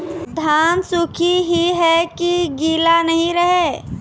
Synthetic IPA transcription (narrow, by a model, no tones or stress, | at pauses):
d̪ʱaːnsʊkʰiɦiɦɛkiɡiːlanəɦĩɾəɦeː